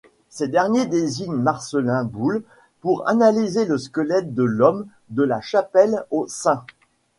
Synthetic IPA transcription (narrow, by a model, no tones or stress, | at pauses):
sed̪ɛʁnjed̪eziɲmaʁsəlɛ̃bul | puʁa̰nalizeləskəlɛt̪̚d̪əlɔm | d̪əlaʃapɛlosɛ̃